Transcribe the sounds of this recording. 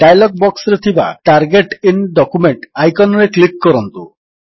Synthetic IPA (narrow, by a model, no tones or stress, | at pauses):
ɖajlɔɡ̚bɔksɾet̪ʰiba̰ʈaɾɡeʈinɖɔkumeɳʈajkɔnɔɾeklikːɔɾɔnt̪u